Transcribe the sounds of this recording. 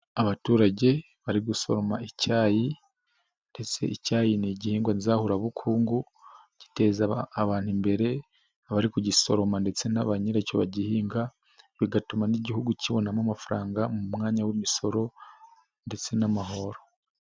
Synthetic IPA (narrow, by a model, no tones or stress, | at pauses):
aβatuːɾaɟe̞ | βaɾiɡuso̞̰ɾo̞maicaːji | nde̞t͡se̞̰ʔicaːjiniɟihiːŋɡwanizahuɾaβukʰuːŋɡu | ɟ̥i̥te̞ːzaːβaːn̥himbe̞ɾe̞ | aβaɾikuɟiso̞̰ɾo̞mande̞t͡se̞na̰βaɲiɾacoβaɟihiːŋɡa | βiɡatumaniɟihuɡuciβo̞namamafaɾaːŋɡamumŋaːɲawimiso̞ɾo̞ | nde̞t͡se̞namaɦo̞ɾo̞